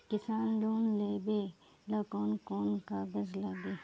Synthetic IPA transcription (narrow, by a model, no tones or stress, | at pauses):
kɪsaːnloːnleːbe | lɐkoːnkoːnkaːɡəzlaɡeː